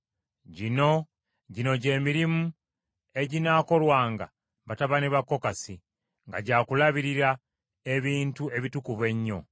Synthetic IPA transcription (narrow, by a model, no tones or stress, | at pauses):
ɟino̞ | ɟino̞ɟe̞ːmiɾimu | e̞ɟinaːko̞lwaːŋɡa̰ | βataβaneβakːo̞kasi | ŋɡa̰ɟaːkulaβiɾiɾa | e̞βiːntue̞βitukuβwe̞ɲːo̞̰